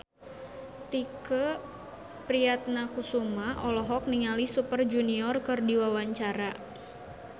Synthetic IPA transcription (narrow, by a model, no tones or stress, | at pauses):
t̪ikə | pɾiat̪̚nakusumaʔɔlɔɦɔk̚niŋalisupərd͡ʒuniɔrkɨrdiwawaɲt͡ʃaɾa